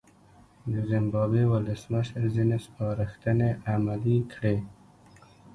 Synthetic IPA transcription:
d̪əzɪmbɑbewʊləsməʃəɾzinespɑɾəxt̪əneʔamalikʰɽe

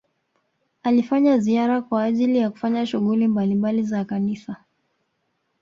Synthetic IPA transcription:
alifaɲaziaɾakwaːʄilijaku̥faɲaʃuɣulimbalimbalizakanisa

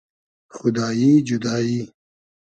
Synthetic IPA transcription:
xʊd̪aːjiːd͡ʒud̪aːjiː

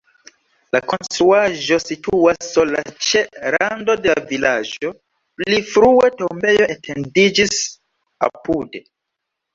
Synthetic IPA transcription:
lako̞nstɾuaʒo̞situasːula̰t͡ʃeɾando̞delaavilad͡ʒo̞ | plifɾue̞to̞mbe̞jo̞etʰendid͡ʒis | a̰pude̞

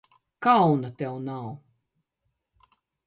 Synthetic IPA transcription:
kawnat̪ɛwnaw

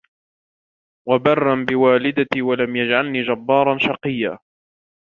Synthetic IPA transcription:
wabɑrˤːanbɪwaːlɪd̪aiwalamjad͡ʒʕalniːd͡ʒabːɑːɾˤɑnʃɑqɨjːaː

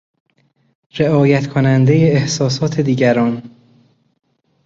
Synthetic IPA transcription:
ɾe̞ʔɒːjæt̪kʰonænd̪e̞je̞ːhsɒːsɒːt̪ʰe̞d̪iːɟæɾɒːn

